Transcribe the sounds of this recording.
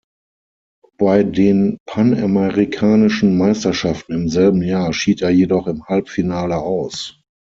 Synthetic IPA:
b̥aɪdeːnpʰanamɛʁikʰaːnɪʃn̩maɪstɐʃaftn̩ɪmzɛlbm̩jaːɐʃiːteːɐjedɔχɪmhalpfinaːləʔaʊs

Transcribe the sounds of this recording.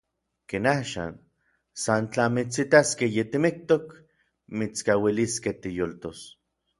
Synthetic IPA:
keːnaːʃa̰n | sant͡ɬamit͡sit̪askejet̪imik̚t̪ok | mit͡skawiliskeht̪ijolt̪os

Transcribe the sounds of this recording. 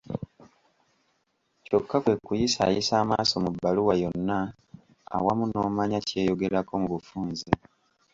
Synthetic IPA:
co̞kːakwe̞kːujisa̰jisaːmaːso̞mubːaluwajo̞nːa | a̰wamuno̞ːmaɲace̞ːjo̞ɡe̞ɾakomuβufuːnze

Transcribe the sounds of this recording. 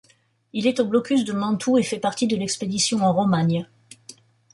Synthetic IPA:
ilɛt̪oblɔkʲys̬d̪əmɑ̃t̪ʰuefɛpaʁt̪id̪əlɛksped̪isjɔ̃ɑ̃ʁɔmaɲ

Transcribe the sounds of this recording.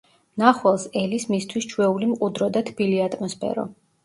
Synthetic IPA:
naχwɛlˠsɛlismist̪ʰwist͡ʃʰwɛulimqʼud̪ɾɔd̪at̪ʰb̥iliat̪ʼmɔspʰɛ̰ɾɔ̰

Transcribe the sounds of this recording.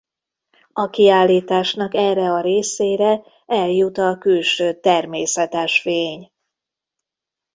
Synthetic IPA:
ɒkiaːlːiːt̪aːʃnɒkɛːrːɛɒɾeːseːɾɛ | ɛljut̪ɒkylʃøːt̪ɛrmeːsɛt̪ɛʃfeːɲ

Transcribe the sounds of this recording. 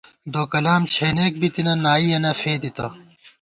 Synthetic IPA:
d̪oːkɐlaːmt͡ɕʰeːneːk̚bit̪inɐnaːiɐnɐfeːd̪it̪ɐ

